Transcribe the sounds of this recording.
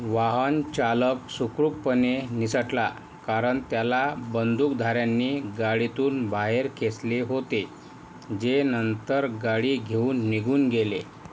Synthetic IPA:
ʋaɦənt͡ɕaləksukɾuppːənenisəʈla | kaɾəɳt̪jalabənd̪ʱuːkd̪ʱaɾjanːiːɡaɽit̪uːnbaɦeɾkʰesleɦot̪e | d͡ʑenənt̪əɾɡaɽiːɡʱeuːnːiɡʱuːnɡele

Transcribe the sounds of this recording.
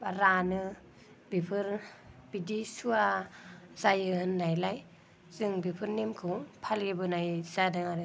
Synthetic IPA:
baɾanɯ | bipʰɯɾb̥idisua | zajɯhɯnːajlaj | zɯŋbipʰɯɾnemkʰɯŋpʰalɡibɯnajz̥adɯŋaɾɯ

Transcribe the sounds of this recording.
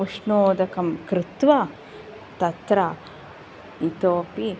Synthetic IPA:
uʂɳoːd̪ɐkɐmkɾɪt̪ʋɐ | t̪ɐt̪ɾa | it̪oːpi

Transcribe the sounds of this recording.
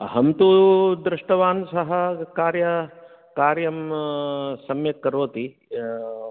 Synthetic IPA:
ɐɦɐmt̪ud̪ɾɪʂʈɐʋaːnsɐɦɐkaːɾjɐ | kaːɾjɐm | sɐmjɐkːɐɾoːt̪i

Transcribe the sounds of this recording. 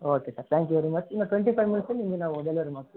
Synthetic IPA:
oːkesaːɾt̪ʰãːŋkjuʋɛɾimɐt͡ʃɪnɐʈʋɛɳʈifaɪʋmɪnseniːŋɡɐnãːɔɽɐlʋɐɾimas

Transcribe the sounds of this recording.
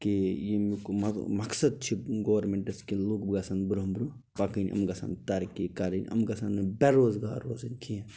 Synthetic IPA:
kijemikɐmɐksɐd̪̚t͡ʃʰiɡowɐɾmeɳʈɐskiloːkbɡasɐnbɾɦɐmbɾu | bakinʔɐ̰mɡasɐ̰nt̪aːɾkikaːɾinʲɐ̰mɡɐsɐnbɛɾoːzɡa̰ːɾo̰ːzɐnkʰie

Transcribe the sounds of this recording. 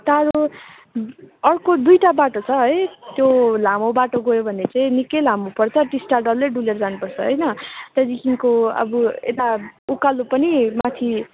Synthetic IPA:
t̪aɾu | ʌrkod̪ujʈabaʈot͡sʰʌɦʌjt̪jolamobaʈoɡʌjobʱʌnːet͡saĩnikʌjlamupʌrt͡sʰʌʈisʈaɖʌlːeɖulerd͡zanupʌrt͡sʰʌɦʌjnʌt̪ʌd̪ikiŋkoʌ̰buḛt̪aukalupʌnimat̪ʰi

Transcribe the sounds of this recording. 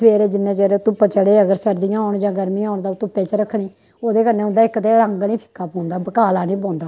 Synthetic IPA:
sʋeːɾeːd͡ʒɪnːẽːd͡ʒɛːɾeːt̪ʊpːət͡ʃəɽeːəɡəɾsəɾd̪ɪjãːɦɔːʊɳd͡ʒãːɡəɾmiːɔːɳd̪aːʊt̪ʊpːeːt͡ʃɾəkʰːɳiː | oːd̪eːkənːeːʊ̃nd̪aːɪkːt̪eːɾəŋɡnĩːpʰɪ̥kʰːaːpõːnd̪aːbəkaːlaːnĩːp̬ɔ̃ːnd̪aː

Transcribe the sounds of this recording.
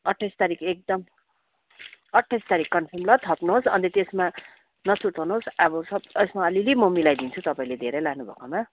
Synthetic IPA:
ʌʈʰːajst̪aɾikʰek̚d̪ʌm | ʌʈʰːajst̪aɾikːʌnsʰʌmlʌt̪ʰʌpnuɦosʌnt̪et̪esma | nʌt͡suʈʰʌwnuɦosʌbʌsʌbesmaʌlilimʌmilajd̪int͡sʰut̪ʌpaĩled̪ʱeɾʌjlaɡnubʱʌ̰koma

